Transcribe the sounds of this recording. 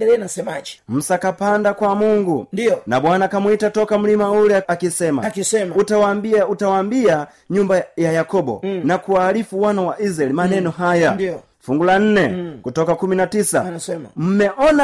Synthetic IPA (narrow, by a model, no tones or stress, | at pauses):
ɛɛnasɛmaʄim̩sakapandakwamuŋɡudiɔna̰ɓwanakamwitatɔkam̩limaulɛakisɛma̰kisɛmutawambiautawambia | ɲumbajajakɔɓɔ̰nakuwaːlifuwanawaʔizaɛlimanɛnɔɦajad | fuŋɡulan̩nɛkutɔkakuminatisa̰sɛmm̩mɛʔɔna